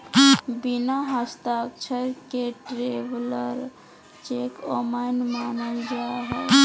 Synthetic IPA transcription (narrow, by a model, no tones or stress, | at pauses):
binaɦəst̪ak̚t͡ʃʰəɾkeʈɾebləɾ | t͡ʃekomanmanəld͡ʒaɦɛ